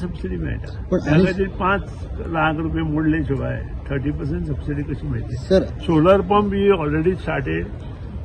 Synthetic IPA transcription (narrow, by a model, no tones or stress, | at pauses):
səbsiɖimḛɭt̪a̰ | pəɳt̪ãkat̪̬iːlpãt͡slakɾupjemoɽlẽɕuba̰jḛt̪ʰəɾʈipəɾs̬ẽɳʈsəbsiɖikəɕiːmeɭt̪esəɾsoləɾpəmbʱiɔlɾeɽisʈaʈeɾ